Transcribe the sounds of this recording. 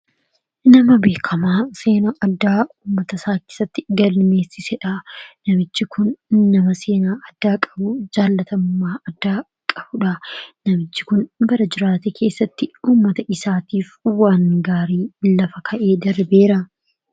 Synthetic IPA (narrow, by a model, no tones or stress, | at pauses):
nɐmɐbe̞ːkʰɐmaːse̞ːnɐʔɐd̪ːaːuːmːɐt̪ɐsaːkeːsːɐt̪ːɪɡɐlme̞ːsɪsɛᶑɐnɐmɪt͡ʃːɪkʊnːɐmɐse̞ːnaːʔɐd̪̥ːaːkʼɐbʊd͡ʒaːlːɐt̪ɐmʊmːaːʔɐd̪ːaː | kʼɐbʊᶑɐnɐmɪt͡ʃːɪ̥kʊnbɐɾɐd͡ʒɪɾaːt̪ekʰe̞ːsːɐt̪ːɪuːmːɐt̪ɐʔɪsaːt̪iːfwaːnɡaːɾiːlɐfɐkʰɐʔe̞ːd̪ɐɾbe̞ːɾɐ